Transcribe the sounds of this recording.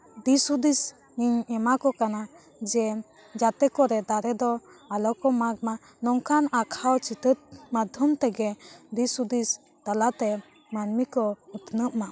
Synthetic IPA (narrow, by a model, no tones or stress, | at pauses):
d̪isud̪is | ɲiɲɛmakɔkana | d͡ʒɛ | d͡ʒat̪ɛkɔɾɛd̪aɾɛd̪ɔ | alɔkɔmaɡ̚ma | nɔŋkʰanakʰawt͡ʃit̪ət̪̚mad̪ʱjɔmt̪ɛɡɛd̪isud̪is | t̪alat̪ɛ | manmikɔut̪nəp̚ma